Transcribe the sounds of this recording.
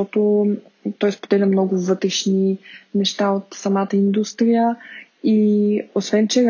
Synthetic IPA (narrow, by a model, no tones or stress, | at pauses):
ɔt̪ʊ | t̪ɔjspod̪ɛlʲɐmnɔɡʊvɤt̪ɾɛʃninɛʃt̪aot̪sɐmat̪əind̪ust̪ɾijə | iosvɛnt͡ʃɛ